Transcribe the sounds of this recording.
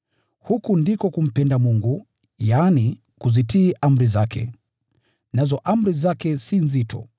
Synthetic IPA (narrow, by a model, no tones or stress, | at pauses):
hukundikɔkum̩pɛndamuŋɡu | jani | kuzitiːʔam̩ɾizakʰɛ̰ | nazɔʔam̩ɾizakɛsinzitʰɔ̰